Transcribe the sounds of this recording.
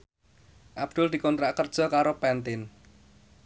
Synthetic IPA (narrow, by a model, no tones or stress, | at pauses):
ʔab̥d̪̥ʊld̪̥i̤kɔnt̪ɾaʔkərd̥ʒ̥ɔ̤kaɾopɛnt̪ɪn